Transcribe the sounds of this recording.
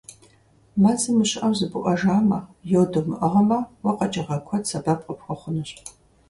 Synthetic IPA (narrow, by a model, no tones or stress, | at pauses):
mɐt͡sɨmɨɕʼʔɐwzɨbɨʔʷʼɐʒaːmɐjowdomɨʔɐʁɐmɐwɐqɐt͡ʃʼɐʁɐkʷʰɔtsɐbɐpʼqʼəpxʷɐχʷʊnɨɕʼ